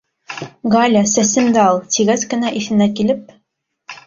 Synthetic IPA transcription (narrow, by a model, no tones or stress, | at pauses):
ɡɑlʲasæsɘmd̪æɑlˠt̪ʲʰiɣæskɘ̆næʔiθɘ̆nækilɘp̚